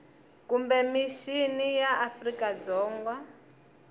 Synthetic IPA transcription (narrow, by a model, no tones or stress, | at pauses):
kumbɛmiʃinijaʔːfrikad͡zɔːŋɡwa